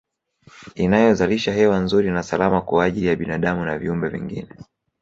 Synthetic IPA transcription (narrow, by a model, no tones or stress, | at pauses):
inajɔzaliʃaɦɛwanzuɾinasalamakuaʄilijaɓinaɗamunaviumbɛvḭŋɡḭnɛ